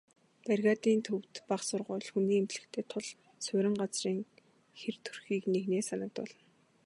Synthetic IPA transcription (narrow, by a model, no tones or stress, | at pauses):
pærɣaːt̪iːnt̪ʰɵwt̪paχsʊrʁʊːɮxuniːemt͡ɕɮɘ̆kt̪ʰeːt̪ʰʊɮ | sʊɾʲɪ̆ɴɢat͡sriːŋ | xert̪ʰɵrxiːkneɣneːsanə̆k̚t̪pʊɮɞ̆n